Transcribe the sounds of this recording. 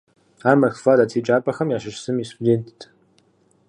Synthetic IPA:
aːmɐxfadatʰiːt͡ʃʼaːpʼɐxɐmjaːʃɐʃsɨmistʰudeːntʰtʰʼ

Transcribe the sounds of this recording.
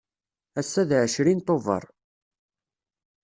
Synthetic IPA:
æsːæðʕəʃɾint̪ˤovə̰ɾˤ

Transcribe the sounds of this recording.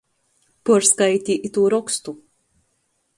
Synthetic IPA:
puɾskajt̪ʲiʔit̪uːɾɔkst̪u

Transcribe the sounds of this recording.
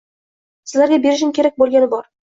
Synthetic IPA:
sɪzlaɾɡʲabe̞ɾɪʃ̬ɪmkʲʰe̞ɾak̚ʲbolˠɡʲanɪbɒɾ

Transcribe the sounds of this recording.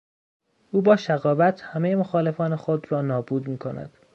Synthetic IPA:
ʔuːbɒːʃæɣɒːvæt̪ʰhæme̞jemoxɒːle̞fɒːnexod̪rɒːnɒːbuːd̪miːkʰo̞næ̰d̪̥

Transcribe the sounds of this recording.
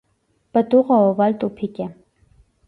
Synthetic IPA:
b̥əd̪uʁaɔvalt̪ʼupʰikʼɛ

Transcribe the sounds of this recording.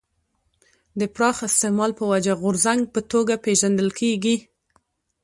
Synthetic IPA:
d̪əpɾɑxɪst̪ɪmɑlpəwad͡ʒaɣʊɾzaŋɡ̚pət̪oɡapeʒand̪əlkʰeɡi

